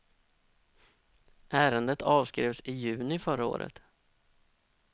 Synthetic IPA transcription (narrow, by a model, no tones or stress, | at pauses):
ʔæːɾənd̪ət̪ʰɑːvskɾeːvsɪjʉ̟ːnɪfœɾao̰ːɾə̰t̪